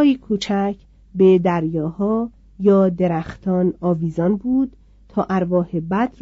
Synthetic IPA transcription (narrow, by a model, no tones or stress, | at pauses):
jikʰuːt͡ʃʰæcʰ | bed̪æɾjɒːhɒː | jɒːd̪e̞ɾæxt̪ʰɒːnɒːviːzɒːnbuːd̪̥ | t̪ʰɒːʔæɾvɒːhebæd̪ɾ